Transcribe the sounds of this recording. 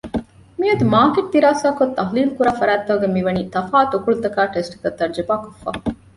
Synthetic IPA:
mijɐd̪umaːkeʈ̚d̪iɾaːsaːkot̪ːɐɦliːlkuɾaːfɐɾæːt̪ːɐɦɡemiʋɐniːt̪ɐfaːt̪okuɭut̪ɐkaːʈesʈi̥kɐt̪ːɐɾd͡ʒɐbaːkofːa̰ː

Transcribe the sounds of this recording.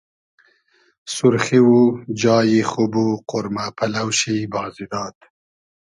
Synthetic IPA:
sʊɾχiwud͡ʒɑːjixʊbuqʊɾmapʰalawʃibɑːzid̪ɑːt̪

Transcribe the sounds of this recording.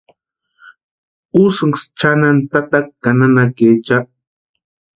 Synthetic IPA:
ʊsŋst͡ʃanant̪at̪akkananaket͡ʃa

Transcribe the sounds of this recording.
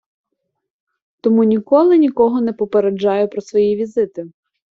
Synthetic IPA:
t̪ɔmunʲikɔlˠɪnʲikɔɦɔnɛpɔpeɾed͡ʒːɑjʊpɾɔsʋɔjiʋʲizɪt̪ɪ

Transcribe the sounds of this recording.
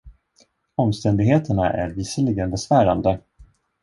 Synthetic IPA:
ɔmst̪ɛnd̪ɪɡɦeːt̪ʰəɳaʔæ̰ɾviːsəɭɪɡənbɛsvæːɾand̪ə

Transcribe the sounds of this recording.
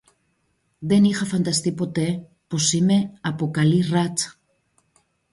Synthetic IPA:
d̪enixafant̪ast̪ipot̪e | posimeapokalirat͡s

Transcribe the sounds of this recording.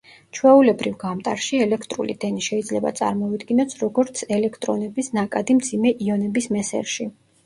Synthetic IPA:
t͡ʃʰwɛulɛbɾivɡamt̪ʼaɾʃiɛlɛkʰt̪ʼɾṵlḭd̪ɛniʃɛid̪zlɛba̰t̪sʼa̰ɾmɔid̪ɡinɔsʰɾɔɡɔɾt̪sʰɛlɛkʰt̪ʼɾɔnɛbisnakʼad̪imd̪zimɛʔiɔnɛbismɛsɛ̰ɾʃi

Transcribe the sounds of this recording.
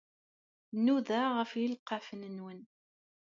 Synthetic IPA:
nːuðæʁəfjəlqːɑfənənwən

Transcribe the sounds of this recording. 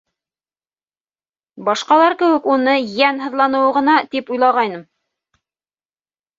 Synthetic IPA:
bɑʃqɑlˠɑɾkɘ̆wɘ̆kunɤjænɦɤ̆ðlˠɑnɤ̆wɤʁɤ̆nɑt̪ipujlˠɑʁɑjnɤm

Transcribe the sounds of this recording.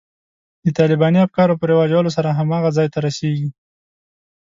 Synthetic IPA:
d̪ət̪ɑlɪbɑniafkɑɾopəɾewɑd͡ʒawəlos̬aɾaɦamɑɣazɑjt̪aɾaseɡi

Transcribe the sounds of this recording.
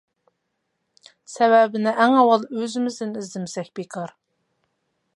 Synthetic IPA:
sɛwɛbɪnɪʔæŋɑwɑlˠøzɪmɪzd̪ɪnɪzd̪ɪmsɛkʲbekʰɑɾ

